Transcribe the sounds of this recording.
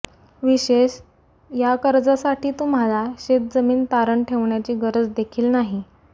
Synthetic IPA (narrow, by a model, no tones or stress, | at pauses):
ʋiɕeɕ | jakəɾd͡zasaʈiːt̪um̤alaɕet̪̚d͡zəmiːnt̪aɾəɳʈʰeʋɳjat͡ɕiːɡəɾəd͡zd̪ekʰiːlnaɦi